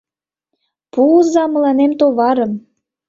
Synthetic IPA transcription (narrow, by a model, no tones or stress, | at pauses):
puzɑmɤ̆lɑnemt̪oβɑɾə̆m